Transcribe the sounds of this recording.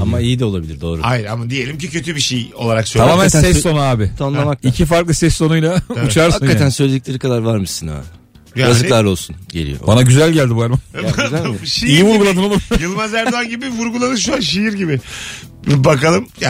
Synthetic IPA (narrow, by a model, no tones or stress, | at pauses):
amaijid̪ɛo̞lˠabilʲiɾd̪o̞ːɾuajiɾamad̪ije̞lʲimcicʰøt̪ʰybiʃejo̞̰lˠaɾaksøamaːmænsɛssːo̞nuaːbɪt̪ʰonlˠamak̪̚icʰifaɾklˠɯsɛsːo̞nujlʲˠaut͡ʃʰaɾshamkːat̪ænsøzlʲed̪iclʲe̞ɾikʰad̪aɾvaɾmɯsɯna̰ | jabazɯlˠaɾo̞lˠsunɟḛlʲḭjo̰banaɟyzælʲɟælʲd̪ibuaɾma | ʃeijivuɾɡulˠad̪ɯnolˠumjɯlˠmazæɾd̪anɟibivuɾɡulˠanɯʃuanʃejiɾɟibɪ | bakalˠɯmja